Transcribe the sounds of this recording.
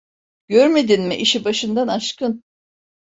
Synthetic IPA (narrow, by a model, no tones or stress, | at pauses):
ɟ̥øɾme̞d̪inmiʔiʃibaʃɯnd̪anaʃkɯn